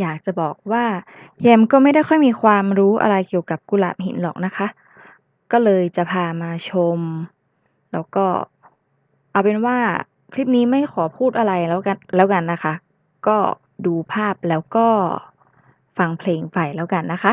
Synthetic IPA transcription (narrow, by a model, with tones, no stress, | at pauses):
jaː˨˩k̚t͡ɕa˨˩bɔː˨˩k̚waː˥˩jɛː˧mkɔː˥˩ma˥˩jda˥˩jxʰɔ˥˩jmiː˧xʰwaː˧mɾuː˦˥ʔa̰˧ɾa˧jki˨˩əwka˨˩p̚ku˧la̰ː˨˩m̚ɦḭ˩˦nlɔː˨˩k̚na˦˥xʰa˦˥ʔ | kɔː˥˩lɤː˧jt͡ɕa˨˩pʰaː˧maː˧t͡ɕʰo˧m | lɛː˦˥wkɔː˥˩ | ʔa˧˩wpe˧nwaː˥˩ | kʰliː˦˥˩p̚niː˦˥ma˥˩jxʰɔː˩˦pʰuː˥˩t̪̚ʔa˧ɾa˧jwa˧lɛː˦˥wka˧nːa˦˥xʰa˦˥ | kɔː˥˩ | duː˧pʰaː˥˩p̚lɛː˦˥wkɔː˥˩ | fa˧ŋpʰleː˧ŋfa˨˩jlɛː˦˥wka˧nːa˦˥kʰa˦˥